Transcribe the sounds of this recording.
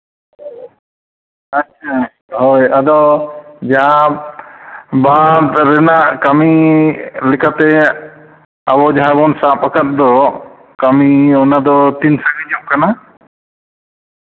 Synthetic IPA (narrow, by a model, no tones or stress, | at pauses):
atːt͡ʃʰa | hɔjad̪ɔd͡ʒaã | bad̪ɾɛnaʔkami | lɛkat̪ɛ | abɔd͡ʒaɦabɔnsapakat̪̚d̪ɔ | kamiɔnad̪ɔt̪insaɡid͡ʒɔmkana